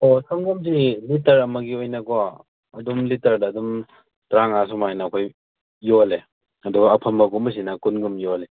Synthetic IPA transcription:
osɐmɡumsilitɐɾɐmɐɡiojnɐɡoa | ɐdumlitɐɾdɐːdum | tɾaŋas̬umajnɐːkʰoj | jole | ɐduɡɐːpʰɐmbɐɡumɐs̬inɐkunɡumjole

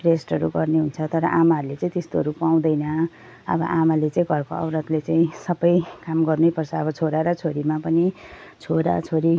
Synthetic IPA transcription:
ʈresʈɦʌɾuɡʌrneɦunt͡sʰʌt̪ʌɾʌʔamaɦʌɾulet͡saĩt̪est̪oʌɾupaw̃d̪ʌjnʌ | ʌ̰bʌ̰ʔamalet͡sãĩɡʱʌrkoʌ̰wɾʌt̪let͡saĩsʌbʌjkamɡʌrnejpʌrt͡sʰʌːbʌt͡sʰoɾaɾʌt͡sʰoɾimapʌnit͡sʰoɾa̰t͡sʰoɾi

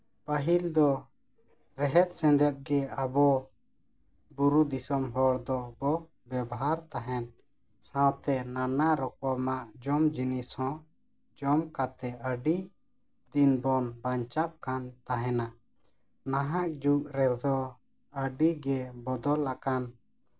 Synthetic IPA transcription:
pəɦild̪ɔ | ɾɛɦɛt̪̚sɛ̃nd̪ɛt̪̚ɡɛabɔ | buɾud̪isɔmɦɔɽd̪ɔbɔ | bɛbɔɦaɾt̪aɦɛn | sãwt̪ɛnanaɾɔkɔmaʔd͡ʒɔmd͡ʒinishɔ̃ | d͡ʒɔmkat̪ɛəɖi | d̪inbɔnbaɲt͡ʃap̚kant̪aɦɛna | naɦaʔ̚d͡ʒuʔɾɛld̪ɔ | əɖiɡɛbɔd̪ɔlakan

